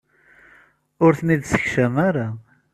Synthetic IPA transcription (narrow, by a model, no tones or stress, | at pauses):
ʊɾθniðsə̥çʃəmaɾa